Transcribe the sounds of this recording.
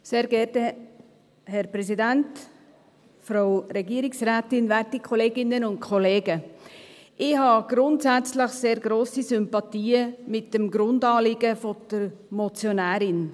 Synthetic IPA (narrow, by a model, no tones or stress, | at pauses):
seːɾɡɛɾtə | hɛɾpɾɛsidænt | fɾoʊɾɛɡiːɾɪksræːtɪnvæɾtikʰɔleːɡɪnːənʊntkʰɔleːɡə | ʔɪhɑɡ̥ɾʊntsæt͡sləχseːɾɡɾoːsisʏmpɑtiːəmɪt̚d̥əmɡɾʊndɑːlɪɡəfɔd̥əɾmɔt͡sjonæːɾɪn